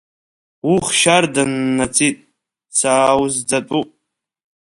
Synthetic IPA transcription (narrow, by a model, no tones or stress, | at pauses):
wuχʃardanːat͡sʰitʼ | t͡sʰaːwzd͡zatʼupʼ